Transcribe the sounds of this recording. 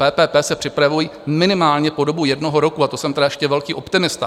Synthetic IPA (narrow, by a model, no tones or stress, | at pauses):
ɛːpɛːpɛːsɛpr̥ɪpɾavujimɪnɪmaːlɲɛpo̞do̞bujɛdno̞ɦo̞ɾo̞kuat̪osɛmt̪ɛdajɛʃcɛvɛlkiːʔo̞pt̪ɪmɪst̪a̰